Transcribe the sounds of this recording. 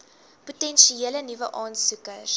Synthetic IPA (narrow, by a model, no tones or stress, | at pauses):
putɛnʃielənivəʔɑːnsukər